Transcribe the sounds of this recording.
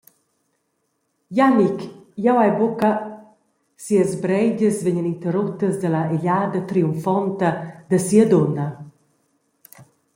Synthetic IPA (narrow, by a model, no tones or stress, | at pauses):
janikjawajboka | siəzbɾɛɟəsveɲənint̪əɾut̪ːəzd̪əlɐeʎaːd̪ɐt̪ɾiuɱfɔnt̪ɐd̪əsiəd̪ɔnɐ